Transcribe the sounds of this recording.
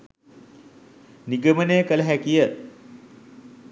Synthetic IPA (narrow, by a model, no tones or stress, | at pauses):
niɡəmənejəkələɦækijə